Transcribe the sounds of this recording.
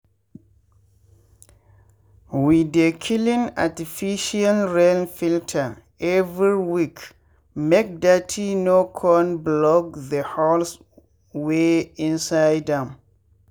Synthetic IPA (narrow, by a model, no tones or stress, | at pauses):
widekʰilĩna̰tifiʃialɹelfiltʰə | ɛvɹiwik | mek̚datʰinokʰɔnblɔk̚ðəhɔls | weĩnsajdɛ̃m